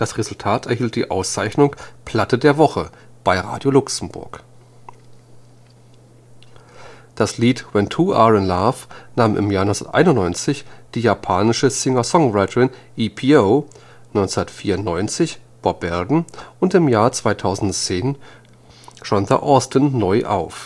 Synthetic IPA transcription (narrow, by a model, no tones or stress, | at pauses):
d̥asʁezʊltʰaːtɛɐhiːlt̚d̥ḭːʔa̰ʊst͡saɪçnʊŋpʰl̥atədeːɐvɔχəb̥aɪʁa̰ːdjolʊksm̩bʊ̰ɐk | d̥asliːtwɛntʰuːʔa̰ʁənlafnaːmʔɪ̰mjaːɐnɔ̃t͡ssdɐ̰tʔa̰ɪnʊntnɔʏnt͡sɪçd̥iːjapʰaːnɪʃəzɪŋɐsɔŋʁaɪtʰəʁɪnʔipʰioː | nɔʏnt͡sɛndɐtfiːɐʊntnɔʏnt͡sɪçb̥ɔb̥ɛldn̩ʔʊntɪmjaːɐt͡sv̥aɪtʰaʊzn̩tt͡seːn | ʒ̥ɔnðɐ̰ʔɔːstənːɔʏʔa̰ʊf